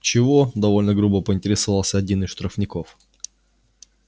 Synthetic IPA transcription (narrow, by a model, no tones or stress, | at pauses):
t͡ɕɪvod̪ɐvo̞lʲnəɡɾubəpəɪnʲtʲɪɾʲɪsɐvalˠsʲəɐdʲinɨsʂt̪ɾəfnʲɪko̞f